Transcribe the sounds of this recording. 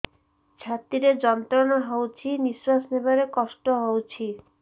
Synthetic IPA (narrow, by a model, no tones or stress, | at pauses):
t͡ʃʰat̪iɾed͡ʒɔnt̪ɾɔnɔɦowt͡ʃʰiniswasnebaɾekɔsʈɔɦowt͡ʃʰi